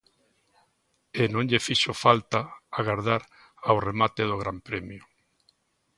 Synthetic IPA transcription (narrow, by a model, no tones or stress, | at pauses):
enõŋʎefiʃʊfalt̪aaɣaɾðaɾ | awremat̪eðʊɣ̞ɾampɾɛmjʊ